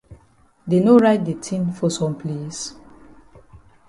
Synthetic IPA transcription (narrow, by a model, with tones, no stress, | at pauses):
de˨no˦ɹa˦ɪt̚de˨tʰĩnfɔ˨sɔ̃˨mpʰle˦s